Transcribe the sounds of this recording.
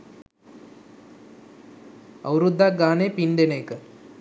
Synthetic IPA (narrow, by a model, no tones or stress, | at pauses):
ɐ̰wɾud̪ːaɡaːnepinɖ̪eneːkə